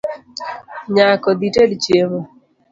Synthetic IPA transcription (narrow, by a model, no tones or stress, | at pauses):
ɲakɔd̪itedt͡ʃjeβo